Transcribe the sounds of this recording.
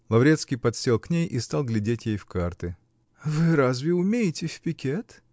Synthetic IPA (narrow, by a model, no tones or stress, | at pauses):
lˠɐvɾʲet̪skʲɪjpɐt̪sʲelˠknʲejʔist̪alˠɡlʲɪdʲetʲjejfkart̪ɨ | vɨɾazvʲɪʊmʲejɪtʲɪfʲpʲɪkʲet̪